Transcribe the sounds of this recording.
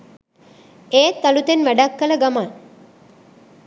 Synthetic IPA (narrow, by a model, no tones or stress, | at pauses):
eːt̪ːalut̪enʋæɖakːələɡaman